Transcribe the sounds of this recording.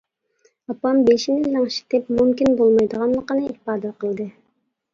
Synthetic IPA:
ɑpɑmbeʃinɪːɑŋʃi̥t̪ɪpmumkʲinbolˠmɑjd̪əʁɑnlˠəqənɨihpɑːd̪ɛqʰəlˠd̪ɨ

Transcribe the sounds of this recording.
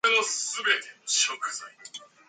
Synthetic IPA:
enosɨbe̞t̪ʰei̥okḁsa

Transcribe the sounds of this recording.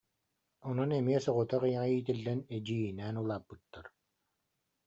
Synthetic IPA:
ɔnɔnɛmiɛsɔʁut̪aʁɯjaʁiːt̪ilːɛnɛd͡ʑiːnɛːnulˠaːpːɯt̪ːaɾ

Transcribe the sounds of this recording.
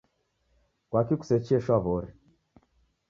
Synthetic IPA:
kwakiku̥sɛt͡ʃiɛʃwaβɔɾi

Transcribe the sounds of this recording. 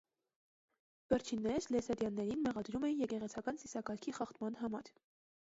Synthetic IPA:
vɛɾt͡ʃʰinːɛɾlɛsɑɾjɑnːɛɾinmɛʁɑd̪ɾumɛnjɛkɛʁɛt͡sʰɑkɑnsisɑkɑɾkʰiχɑχt̪mɑn̪ɦɑmɑɾ

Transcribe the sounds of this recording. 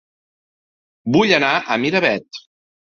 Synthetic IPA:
buʎənaʔəmiɾəβɛt̪

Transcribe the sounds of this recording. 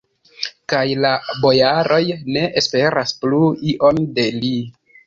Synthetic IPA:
kajlabo̞jaɾo̞jne̞ʔespe̞ɾaspluiʔo̞nde̞li

